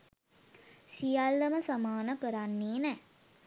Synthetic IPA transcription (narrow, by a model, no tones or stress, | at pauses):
sijalːəməsamaːnəkəɾanːeːnɛ